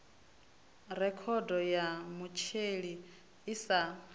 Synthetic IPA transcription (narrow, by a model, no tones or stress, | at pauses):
rɛkʰɔdɔjamut͡ʃʰeɺiː | sa